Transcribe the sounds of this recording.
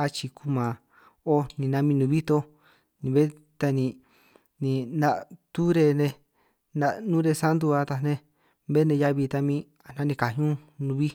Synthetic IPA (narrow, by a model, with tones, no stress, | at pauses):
a˧t͡ʃi˧ku˧mã˨ | o˦nĩ˨˧nã˧mĩ˧nũ˧βi˦t̪o˧ | nĩ˧βe˦ | t̪a˧nĩ˧ | nĩ˧nã˦˧ʔt̪u˦ɾe˧nẽ˧ | nã˧ʔnũ˦ɾe˧sa˦nd̪u˧a˧t̪a˧nẽ˧ | βe˦nẽ˧ja˧βi˧t̪a˧mĩ˦ | a˨nã˦nĩ˧ka˨ɲũ˦nũ˧βi˦